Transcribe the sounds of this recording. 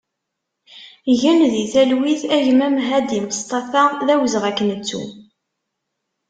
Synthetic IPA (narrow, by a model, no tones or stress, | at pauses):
ʝænðiθælwiθæʝmæmɦæd̪iməst̪ˤɑθaðæwəzʁækːənət͡sːṵ